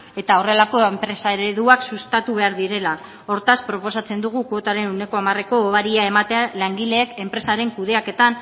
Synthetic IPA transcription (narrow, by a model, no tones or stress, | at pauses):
e̞t̪ao̞re̞lako̞empɾe̞saɾeðuaksust̪at̪uβ̞e̞aɾðiɾe̞la | o̞ɾt̪aspɾo̞po̞sat͡se̞nd̪uɣ̞ukot̪aɾe̞nune̞ko̞amare̞ko̞ːβaɾiae̞mat̪ealaŋɡile̞ːke̞mpɾe̞saɾe̞ŋkuðe̞ake̞t̪an